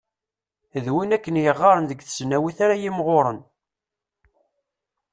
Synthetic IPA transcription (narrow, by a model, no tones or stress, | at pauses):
ðwinækːənjəʁːɑɾˤənðəɡθə̥snæwiθaɾajimʁoɾˤən